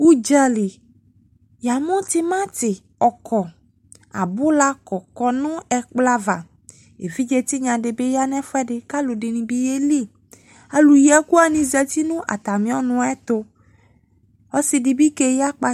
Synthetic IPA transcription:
u˦d͡ʒa˨li˨ | ja˨mɔ̃˦t̪i˦mã˦t̪i˨ | ɔ˨kɔ˨ | a̰˨bu˦la˦kɔ˨kɔ˨nũ˦ɛ˨k͡pla˦va˨ | ḛ˨vi˦d͡ʒe˦t̪i˦ɲã˨ɖe˨be˦ja˦nɛ̃˦fɔ˦ɛ˦ɖe˨ka˦lo˨ɖe˨nĩ˨bi˦je˦li˦˨ | a˨lu˨jɛ˦ku˦a˦˨nĩ˨zɛ˨t̪i˦nũ˦ʔa̰˨t̪a˨mĩ˦ɔ˦nũ˦ɛ˦t̪o˦ | ɔ˦si˨ɖi˨bi˦ke˦ja˦k͡pa˦

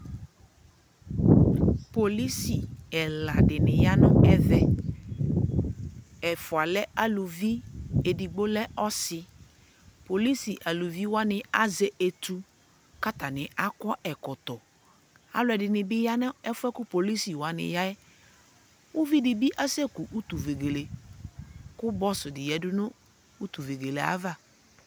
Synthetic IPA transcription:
po˨li˦si˨ɛ˨la˨ɖɪ˨nɪ̃˨ja˦nʊ̃˦ɛ˦ðɛ˦ | ɛ˨fʊ˨a˨lɛ˦a˦˨lu˨vi˦e˨di˨ɡ͡bo˦lɛ˦ɔ˦sɪ˦ | po˨li˦si˨ʔa˨lu˨vi˦wa˦nɪ̃˨a˦ze˨ʔe˨t̪u˦ | ka˦ta˨nɪ̃˨ʔa˦kɔ˦ʔɛ˨kɔ˨t̪ɔ˨ | a̰˦lʊ˦˨ɛ˨dɪ˨nɪ˨bɪ˦ja˦nã˦ɛ˦fʊ˦ɛ˦kʊ˦po˨li˦si˨wa˨nɪ̰˨ja˦ɛ˦ | ʊ˦vi˦dɪ˨bi˦ʔa˦se˦ku˨ʔu˦t̪u˨ve˨ɡe˨le˨ | kʊ˦bɔ˦sʊ˨dɪ˨jɛ˨dʊ˦nʊ̃˦ | u˦t̪u˨ve˨ɡe˨le˨a̰˦va˦˨

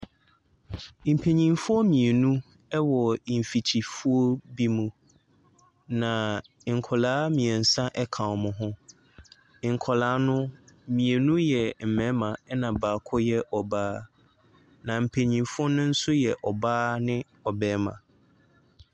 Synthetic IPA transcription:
m̩˨pʰe˨ɲĩ˨mfʊ˦ɔ˦mĩ˨e˨nũ˦ | ɛ˦wɔ˨m̩˨fi˨t͡ɕʰi˨fu˦o˦bi˦mũ˨ | nã˨ | ŋ̩˨kʰɔ˨laː˨˦mĩ˨ɛ˨n̩˨sã˦ʔɛ˦kʰã˨ɔ˨mʊ̃˨ɦʊ̃˦˨ | ŋ̩˨kʰɔ˨laː˨˦nʊ̃˦mĩ˨e˨nũ˦jɛ˨m̩˨mɛ̃˨˦mã˨ɛ˦nã˨baː˨kʰɔ˦jɛ˦ʔɔ˨baː˦ | nã˨m̩˨pʰe˨ɲĩ˨mfʊ˦ɔ˦nʊ̃˦n̩˦sʊ˦jɛ˨ʔɔ˨baː˦nɪ̃˦ | ɔ˨bɛː˦mã̰˨

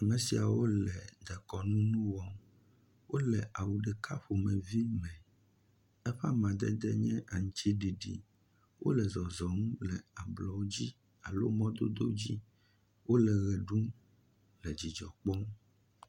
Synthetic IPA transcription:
a˨mɛ̃˨si˨a˨wo˦lɛ˨d̪ɛ˨kɔ˨nũ˦nũ˦wɔ˦ | wo˦lɛ˨ʔa˨wu˨ɖɛ˨ka˦ɸo˨mɛ̃˨vi˦mɛ̃˨ | ɛ˦ɸa˦mã˨d̪ɛ̰˦d̪ɛ̰˦ɲɛ̃˦ʔa˨ŋ̃˨˦t͡ɕi˦ɖi˨ɖḭ˨ | wʔo̰˦lɛ˨zɔ˨zɔ˨ŋũ˦lɛ˨a˨blɔ˨wo˦d͡ʑi˦ | a˨lo̰˦mɔ̃˦d̪o̰˦d̪o̰˦d͡ʑi˦ | wo˦lɛ˨ɣɛ˨ɖu˦ | lɛ˨d͡ʑi˨d͡ʒɔ̰˨k͡pɔ˦m˦

